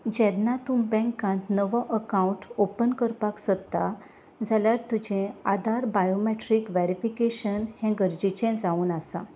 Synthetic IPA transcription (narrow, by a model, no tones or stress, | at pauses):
d͡ʑɛ̃ɾnːat̪umbɛ̃ŋkãnt̪nəʋəʔəkãuɳʈopənkəɾpaksəɾt̪a | d͡zʱaljaɾt̪ud͡ʑẽad̪ʱaɾbajomeʈɾiːkʋɛɾifikeɕənhɛ̃ɡəɾd͡ʑit͡ɕẽd͡zauːnasã